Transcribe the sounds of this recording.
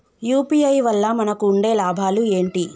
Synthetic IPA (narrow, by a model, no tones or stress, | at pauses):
juːpiɐjʋɐlːɐmɐnɐkuːɳɖe̞ːlaːbʱaːlue̞ːɳʈi